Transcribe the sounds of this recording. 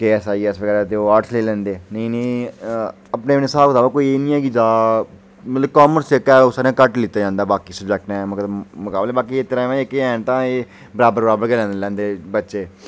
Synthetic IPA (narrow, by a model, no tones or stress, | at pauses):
keːɛsaːiːɪsʋəɡɛːɾɛːt̪eoːaːʈsleːlɛ̃ːnd̪eːnəĩːnẽĩ | əpneːnesaːkt̪aːbaːkoːieːnĩːɛːɡid͡ʒaː | mət̪ləb̚kaːməɾst͡ʃekɛːoːsaːɾeãːkəʈlɪt̪ːaːd͡ʒãːnd̪aːbaːkiːsəbd͡ʒɛk̚ʈnɛ̃ːməkmʊkaːblɛːbaːkiːet̪əɾãːmɛ̃ːekeɛ̃ːnt̪ãːeː | bəɾaːbəɾbəɾaːbəɾkɛːlɛ̃ːnd̪lɛ̃ːnd̪eːbətːʃeː